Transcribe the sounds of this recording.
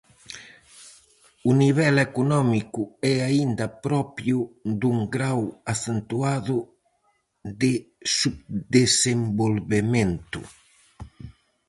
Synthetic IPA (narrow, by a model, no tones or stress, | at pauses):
uniβɛlekunɔmikuɛaind̪ɐpɾɔpjud̪uŋɡɾawaθent̪uaðʊ | d̪ɪsubd̪esembolβement̪ṵ